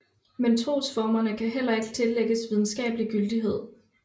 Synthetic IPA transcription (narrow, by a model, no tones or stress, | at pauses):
ment͡sʰʁo̝̰ːsfɒːmɐnəkʰæɦel̰ɐe̝ɡ̥ə̥t͡sʰe̝lːeɡ̥əsʋið̞ˠn̩sɡ̥ɛ̰ːb̥əliɡ̥yld̥iɦe̝ð̞̰ˠ